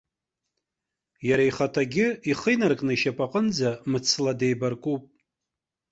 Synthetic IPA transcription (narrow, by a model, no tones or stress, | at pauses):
jaɾaiχatʰaɡʲɪiχəjnarkʼnɨiʃapʼaqʼənd͡zamɨt͡sʰlade̞jbarkʼupʼ